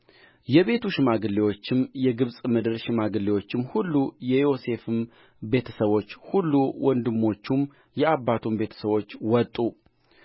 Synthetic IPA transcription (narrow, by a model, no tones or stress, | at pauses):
jɛβe̞t̪ʰuʃɪmaɡɨlːewo̞t͡ʃːɪmjɛɡɨβsʼmɨd̪ɨɾʃɪmaɡɨlːewo̞t͡ʃːɪmhulːujɛjo̞se̞fɨm | be̞t̪ʰəsəβo̞t͡ʃːhulːuwʔɔnd̪ɨmːo̞t͡ʃːum | jɛabːat̪ʰumbe̞t̪ʰə̥səβo̞t͡ʃːwɔt̪ʼːu